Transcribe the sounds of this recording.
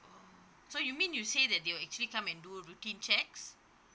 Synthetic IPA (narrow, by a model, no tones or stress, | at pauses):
ʔo | sojumĩnjusedɛt̚dewɛk̚t͡ʃuəlikãmɛ̃nduɹutĩnt͡ʃɛks